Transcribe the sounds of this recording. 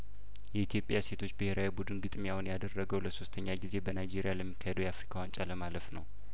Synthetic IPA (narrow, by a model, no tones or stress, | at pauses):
jɛit̪ʰjo̞pʼjase̞t̪ʰo̞t͡ʃːbɨhe̞ɾawibud̪ɨnɡɨt̪ʼmjawnjad̪ərːəɡəwləso̞st̪ʰəɲːaɡize̞bənajd͡ʒe̞ɾijaləmːikʰːahed̪əwjɛafɾikʰawant͡ʃʼaləmaləfnə̰w